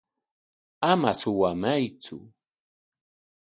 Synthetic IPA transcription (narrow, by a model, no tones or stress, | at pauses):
amasʊwamajt͡sʊ̰